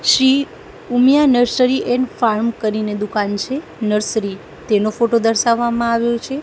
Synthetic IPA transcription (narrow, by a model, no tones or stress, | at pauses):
ʃɾi | umjanəɾsəɾiʔɛnfaɾmkəɾined̪ukant͡ʃʰe | nəɾsəɾi | t̪enofoʈod̪əɾʃaʋːamãaʋjot͡ʃʰe